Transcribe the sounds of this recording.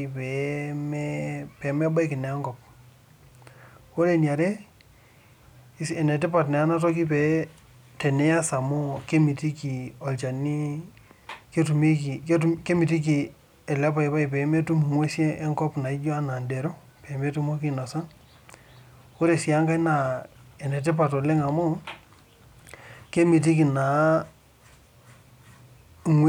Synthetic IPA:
pɛ˨mɛpɛ˨˦mɛ˦ba˦i˦kɪ˨nɛ˨˦ŋɡɔ˨p̚ | wo˦ɾe˨nja˨ɾe˦ | sɛ˨nɛ˨t̬ɪ˦pa˨tnɛ˨a˦na˦t̬ɔ˦ki˦pɛ˨ | tɛ˨nɛ˦ja˦sa˨mo˦ke˦mi˨ti˦ki˨ɔ˨lt͡ʃa˨ni˦ | ke˦tu˨mi˦ki˨ktuke˦mi˨ti˦k̬i˨ | ɛ˨la˦pa˦jpa˦ɪ˨pɛ˨˦me˦tu˦m˨ŋwe˦sjɛ˦ɛ˦ŋkɔ˦pna˨ɪ˦d͡ʒwa˦na˨nde˨ɾo˦ | pɛ˨me˦tu˦mɔ˦kɪ˦nɔ˨sa˦n | o˦ɾe˨si˨a˦ŋɡa˦na˨ɛ˨nɛ˨t̬ɛ˦p̬a˨tɔ˨le˦ŋa˨mɔ˦ | ke˦mi˨t̬i˦ki˨na˨˦ | ŋw

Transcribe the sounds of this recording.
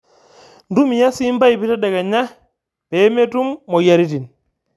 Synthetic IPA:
ndu˦mi˨ja˦si˦mba˦i˨bi˦ta˦da˨ɡa˨ɲa˦ | pe˨˦me˦tu˦mːo˨ja˦ɾi˦ti˨n

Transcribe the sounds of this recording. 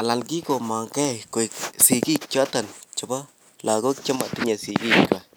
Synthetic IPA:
a˨la˨lɡi˦ɡo˨ma˨ŋke˦ko˨i˨ksi˨ɡi˦k̚t͡ʃo˦a˦t̪a˨nt͡ʃo˨ba˦ | la˨ɡo˦kt͡ʃa˦ma˨t̪i˦ɲa˨si˨ɡi˦kka˨

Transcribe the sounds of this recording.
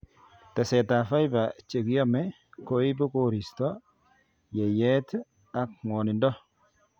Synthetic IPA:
ta˨sɛ˨ta˨fa˦jba˨t͡ʃe˨kjɔ˦mɛ˦ | ko˦i˦bɔ˦ko˦ɾi˨stɔ˦ | jɛ˨jɛ˦t | a˨k̚ŋwɔ˨nɪ˨ndɔ˦

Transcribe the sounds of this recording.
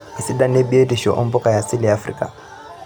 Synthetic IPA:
ɪ˨sɪ˦da˦ne˦bi˦e˦di˨ʃɔ˨ʔʊ̰˦m̩˦bʊ˦kʼa˨ja˨sɪ˦lɪ˦a˦frḭː˨kʼa̰˨

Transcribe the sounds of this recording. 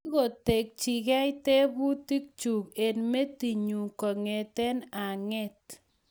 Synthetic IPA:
ɣo˨te˨k̚t͡ʃi˨kɛ˦ɪ˦te˦bu˦ti˦k̚t͡ʃu˨ke˨nme˦ti˨ɲu˨kɔ˨ŋe˨t̪ɛ˦na˨ŋɛ˦t

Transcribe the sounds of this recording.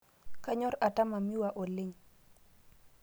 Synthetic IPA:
ka˦ɲɔ˦ɾa˨ta˦ma˨mi˦wa˨ʔɔ˨lɪ˦ɲ

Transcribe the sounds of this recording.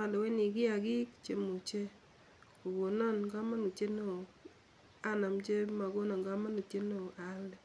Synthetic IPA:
a˨do˨we˦ni˨ɡɪ˦a˨ɡi˦kt͡ʃe˨mu˨t͡ʃe˦ | o˨wo˨nɔ˦˨nɡa˦ma˦nu˨t͡ʃe˦no˦˨ | a˦na˨mt͡ʃe˦ma˨ɡo˦nɔ˨nɡa˦ma˦nu˨t͡ʃe˦no˦˨a˨˦ldɛ˨

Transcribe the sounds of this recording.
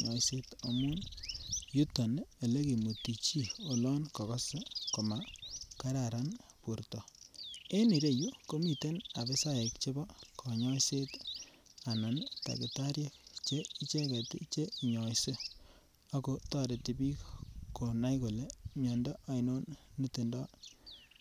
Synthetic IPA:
ɲɔ̰˨jse˦to˨mu˦n | ju˦to˨ne˨le˦ki˨mu˨ti˨t͡ʃi˦o˨lɔ˦nkɔ˨kɔ˦se˦ko˨ma˨ka˦ɾa˨ɾa˦npu˨ɾtɔ˨e˦ni˨ɾe˦˨ju˦ko˦mi˨te˦na˨be˦sa˦e˨kt͡ʃe˦bɔ˦kʰɔ˨ɲɔ˦jse˦t | a˨na˨nta̰˨ki˨ta˦ɾje˦kt͡ʃe˦i˦t͡ʃe˦ke˨tḭ˦t͡ʃe˦i˨ɲɔ˨jse˦ | a˦ko˦tɔ˦ɾe˨ti˨bi˦kko˨na˦jko˨le˨mjɔ˨ndɔ˦ʔa˦i˦no˦nːi˦te˨ndɔ˦

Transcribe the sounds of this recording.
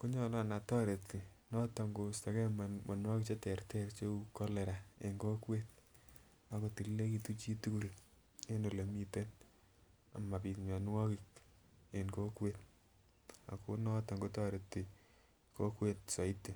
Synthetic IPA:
ko˦ɲɔ˦la˦˨na˨tɔ˦ɾe˨ti˨nɔ˦ta˨ŋɡo˨sta˨kɛ˦mmɔ˨nwɔ˦kit͡ʃe˦tɛ˨rtɛ˦ɾt͡ʃo˦ukɔ˦le˨ɾaḛ˨ŋɡo˦kwe˦t̚ | a˨ko˨ti˨lle˦kitu˦t͡ʃi˦tu˦ku˦˨l | e˦no˨le˨mi˦te˦t̚ | a̰˨ma˨pi˨tɲa˨nwɔ˦kik̚ | enko˦kwet̚ | a̰˨ko˦nɔ˦ta˨ŋɡo˦tɔ˦ɾe˨tːi | ko˦kwe˦t̚sa˨i˦te˨

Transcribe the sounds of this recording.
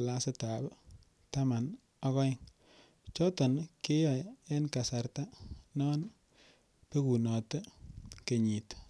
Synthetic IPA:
la˦se˦ta˨b | ta˦ma˨n | ɔ˦kɔ˦ɪ˦ŋ | t͡ʃɔ˦tɔ˨nkɪ˦jɔ˨je˦nka˨sa˨ɾta˦nɔ˦n | pe˦ku˨nɔ˨tɛ˦ke˨ɲi˨t

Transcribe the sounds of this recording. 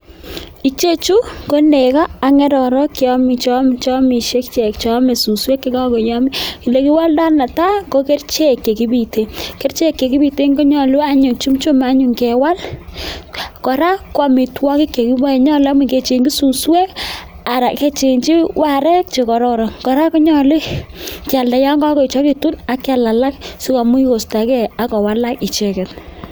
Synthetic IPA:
i˨˦t͡ʃe˦t͡ʃu˦ko˦ne˨ka˦a˨ŋɛ˦ɾɔ˨ɾɔ˦ki˨ɔ˦mi˨t͡ʃɔ˦m˨t͡ʃɔ˦mi˨ʃe˦kt͡ʃe˨kt͡ʃɔ˦me˨su˨swe˦kːi˦kɔ˦ko˨jɔ˦mi˦ki˨le˦ki˦wa˦lda˦na˨ta˦ŋɡo˦ke˦rt͡ʃe˦˨kːe˨ki˦bi˨te˨ke˦ɾt͡ʃe˦˨kːe˨ki˦bi˨te˦ŋɡo˦ɲɔ˨lu˦a˦ɲu˨t͡ʃu˦mt͡ʃu˦ma˦ɲu˨ŋke˨wa˦l | kɔ˨ɾa˦kːwa˨mi˨twɔ˦kɪ˦kːe˨ki˦bɔ˦e˨ɲɔ˦la˦mu˨ke˨t͡ʃe˨ŋɡi˦su˨swe˦k | a˨ɾa˨ke˦t͡ʃe˨nt͡ʃi˦wa˦˨ɾɛ˦k̚t͡ʃe˨kɔ˨ɾɔ˦ɾɔ˨ŋkɔ˨ɾa˦ku˦ɲɔ˦li˦ka˨lda˨ja˦ŋɡɔa˦kɔ˦i˨t͡ʃɔ˦ki˨tu˦na˦kːa˨la˨la˦k̚si˦ka˨mu˦i˦ko˨sta˨kɛ˦a˦kɔ˨wa˦la˦ki˨t͡ʃe˨kɛ˨t

